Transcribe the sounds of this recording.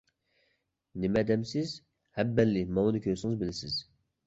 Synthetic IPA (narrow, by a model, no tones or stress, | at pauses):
nɪmɛd̪ɛmsɪz | hɛbːɛlːɪmɑwɨd̪ɨkʲʰøɾsɪŋɨzbɪlɪsɪz̥